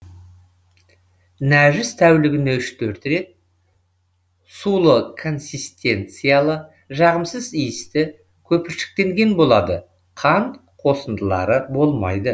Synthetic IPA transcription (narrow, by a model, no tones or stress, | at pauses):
næʒɪst̪ʰæwlɪɡʲɪne̞ʏʃt̪ʰɵɾt̪ɾe̞t̪̚ | sulˠəkʰo̞nsʲist̪ʲe̞nt̪sɨjalˠə | ʒɑʁəmsəzijɪst̪ɪ | kʲʰɵpɪʃɪ̥k̚t̪e̞ŋɡʲe̞nbo̞lˠɑd̪ə | qʰɑn | qʰo̞sənd̪əlˠɑ̰ɾəbo̞lˠmɑ̰jd̪ə